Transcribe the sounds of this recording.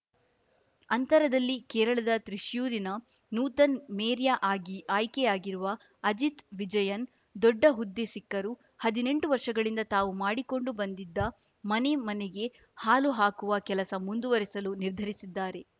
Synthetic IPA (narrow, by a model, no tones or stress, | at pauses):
ɐnt̪ɐɾɐd̪ɐlːikɛːɾɐɭɐd̪ɐt̪ɾiʃjuːɾinɐ | nuːt̪ɐnmeːɾjaʔaːɡiʔaːjkejaːɡiɾuʋɐ | ɐd͡ʒit̪ʋid͡ʒɐjɐn | d̪ɔɖːɐɦud̪ːesikːɐɾu | hɐd̪ine̞ɳʈuʋɐɾʂɐɡɐɭind̪ɐt̪aːʋumaːɽiko̞ɳɖubɐnd̪id̪ːɐ | mɐne̞mɐneɡe̞ | haːluɦaːkuʋɐkɛlɐsɐmund̪uʋɐɾisɐluniɾd̪ʱɐɾisid̪ːaːɾe̞